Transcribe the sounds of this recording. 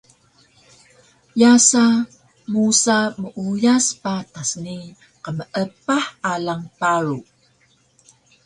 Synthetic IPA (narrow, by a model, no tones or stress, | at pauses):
jasa | musaməʔujaspatasni | qəməʔəpaħalaŋpaɾu